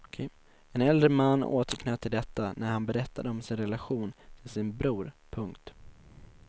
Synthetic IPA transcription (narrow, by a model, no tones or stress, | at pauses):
kʰɛ | ɛnɛld̪ɾəmanːo̰ːt̪ʰəɾkʰnɛːt̪ʰːɪld̪ɛt̪ːanæɾhanbɛɾɛt̪ːad̪əɔmsɪnɾɛlaɧuːnt̪ʰɪlsɪnbɾuːɾpʰɵŋkt̪